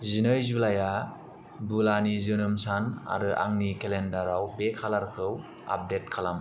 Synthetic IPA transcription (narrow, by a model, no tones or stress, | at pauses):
zinɯjzulaja | bulanizɯnɯmsana̰ɾɯʔa̰ŋnikelendaɾawbekʰalaɾkʰɯw | a̰p̚det̚kʰalam